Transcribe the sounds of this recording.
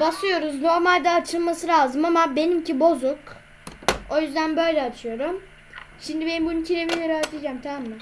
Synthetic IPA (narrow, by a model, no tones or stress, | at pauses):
basɯjo̞ɾuzno̞ɾmalʲd̪ɛat͡ʃʰɯlˠmasɯɾaːzɯmamabe̞nimcʰibo̞zuk | o̞jyzd̪ænbø̞jlʲɛat͡ʃʰɯjo̞ɾum | ʃimd̪ibe̞nimbununcʰiɾemijeɾaːt̪ʰid͡ʒaːmt̪ʰamammɪ